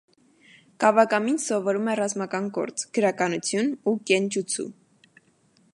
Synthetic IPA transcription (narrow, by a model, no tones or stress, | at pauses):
kɑvɑkɑminsɔvɔɾumɛrɑzmɑkɑnɡɔ̰ɾt͡sɡ̥əɾɑkɑnut͡sʰjunukɛnt͡ʃut͡sʰṵ